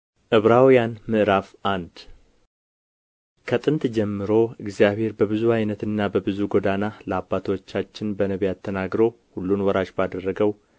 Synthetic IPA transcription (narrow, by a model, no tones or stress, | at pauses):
ʔɨβɾawjanmɨʔɾafʔand̪ | kʰət̪ʼɨnt̪d͡ʒɛmːɨɾo̞ɨɡzijaβhe̞ɾbəβɨzuajnət̪ɨnːabəbɨzuɡod̪analəabːat̪ʰwot͡ʃːat͡ʃːɪnbənəβijat̪ʰːənaɡɾo̞ | hulːunwɔɾaʃbad̪ərːəɡəw